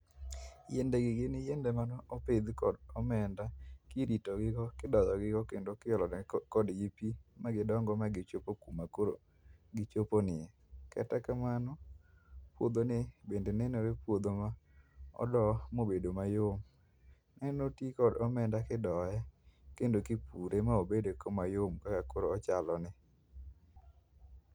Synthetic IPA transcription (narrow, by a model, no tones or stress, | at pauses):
jendeɡɪɡɪnɪjendemanɔːped̪kɔdɔmɛndakiɾitɔɡɪkɔkɪdɔjɔɡɪkɔkendokɪɔlɔkɔdɡipimaɡɪdɔŋɡɔmaɡɪt͡ʃopokumakoɾo̰ | ɡɪt͡ʃoponɪɛ | kɛ̰takamanɔ | pwod̪onɪbendenɛnoɾepwod̪omaɔ̰dɔmobedomajom | nɛnotikɔdɔmɛndakɪdɔɛkendokɪpuɾemaobedekomajomkakakoɾoːt͡ʃalɔnɪ